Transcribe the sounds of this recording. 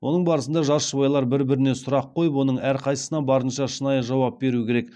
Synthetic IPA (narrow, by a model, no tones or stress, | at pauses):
wʔo̞nəɴbɑɾəsənd̪ɑʒɑʃəbɑjlˠɑɾbɪɾbɪɾɪne̞sʊɾɑqʰːo̞jəpwo̞nəɴæɾqʰɑjsə̥sənɑbɑɾənʃɑʃənɑjəʒɑwɑp̚be̞ɾukʲʰe̞ɾek